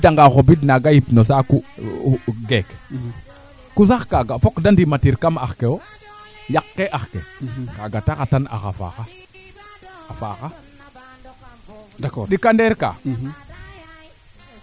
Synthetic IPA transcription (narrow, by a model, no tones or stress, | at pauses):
daŋɡaxobidnaɡajipnosaku | ɡek | kusaxkaɡafɔkdandimatiɾkamaxkeo | jakːeʔaxkekaɡatakatana̰xa̰fa̰xa | afaxa | dakɗikandɛɾka̰ː